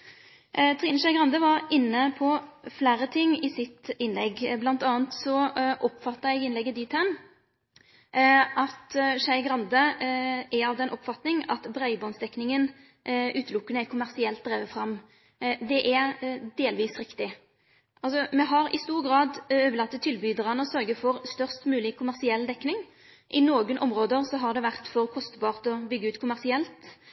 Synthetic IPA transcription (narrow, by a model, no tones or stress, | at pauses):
t̪ʰʁiːnʃæɪɡɾɑnd̪əʋɑɾɪnːəpʰɔflæːɾət̪ʰɪŋːɪsɪt̪ɪnlɛɡblɑnt̪ɑːnt̪sɔʔɔpfɑt̪ːəɾɛɡɪnɛɡːəd̪iːt̪ʰæm | ʔɑt̪ʃæɪɡɾɑnd̪ə | ɛɑʋd̪ɛnʔɔpfɑt̪nɪŋɑ̰t̪bɾæɪbɔnsd̪ɛknɪŋən | ʔʉːt̪əlʊkːənəɛkʰʊmæʁsɪɛlt̪̚d̪ɾæːʋəfʁɑm | d̪ɛʔæd̪eːlʋiːsɾɪkt̪ɪ | ʔɑlsɔmɛɦɑɾɪ̰st̪uːʁɡɾɑːd̪øːʋəlɑt̪ːət̪ʰːɪlbyːd̪əʁɑnəɔsœʁɡəfɔɾst̪œʁst̪mʉːlɪkʰʊmæʁsɪɛld̪ɛkːnɪŋ | ʔɪnoːɡənʔɔmʁoːd̪əʁsɔɦɑʁd̪ɛʋæʁt̪fɔʁkʰɔst̪bɑːʁt̪ɔbʏɡːəʉːt̪kʰʊmæʁsɪɛlt̪